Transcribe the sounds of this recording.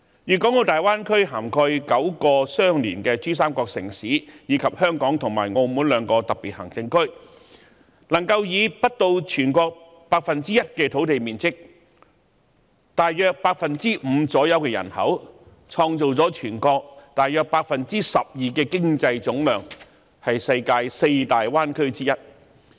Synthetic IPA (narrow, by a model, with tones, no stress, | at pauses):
jyː˨˩kɔː˨˥ŋt̪o˧wt̪aː˨˩jwaː˥nkʰɵ˥ɥɦaː˨˩mkʰɔː˧jkɐ˨˥wkɔː˧sœː˥ŋliː˨˩nkɛː˧t͡ʃyː˥s̬aː˥mkɔː˧k̚sɪ̰˨˩ŋsiː˨˥jiː˨˧kʰɐ˨p̚hœː˥ŋkɔː˨˥ŋt̪ʰʊ˨˩ŋmaː˨˩jŋo˧wmu˨˥nlœː˨˧ŋkɔː˧t̪ɐ˨k̚piː˨˩t̚hɐ˨˩ŋt͡sɪ˧ŋkʰɵ˥ɥ | nɐ˨˩ŋkɐ˧wjiː˨˧pɐ˥t̚t̪o˧wt͡ʃʰyː˨˩nkɔː˧k̚ | paː˧k̚fɐ˨nt͡siː˥jɐ˥t̚kɛː˧t̪ʰo˨˥wt̪e˨jmiː˨nt͡sɪ˥k̚ | t̪aː˨jjœː˨˧k̚paː˧˥k̚fɐ˨nt͡siː˥m̩˨˧t͡sɔː˨˥jɐ˨˧wkɛː˧jɐ̰˨˩nhɐ̰˨˥w | t͡sʰɔː˧ŋt͡so˨wt͡sɔː˨˥t͡ʃʰyː˨˩nkɔː˧k̚t̪aː˨jœː˨˧k̚paː˧k̚fɐ˨nt͡siː˥sɐ˨p̚jiː˨kɛː˧kɪ˥ŋt͡sɐ˧jt͡sʊ˨˥ŋlœː˨˩ŋ | hɐ˨jsɐ˧jkaː˧jse˧jt̪aː˨jwaː˥nkʰɵ˥ɥt͡siː˥jɐ˥t̚